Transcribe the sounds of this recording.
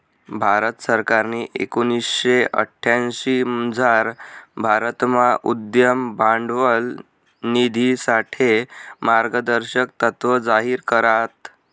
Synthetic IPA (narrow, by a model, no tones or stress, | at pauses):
bʱaɾət̪səɾkaɾniːʔḛkonisɕeʔə̰ʈʰːjãnɕid͡zʱaɾbʱaɾət̪maʔud̪jəmbaɳɖʋəl | nid̪ʱisaʈʰemaɾɡəd̪əɾɕək̚t̪ət̪ʋəd͡zaɦiːɾkəɾat̪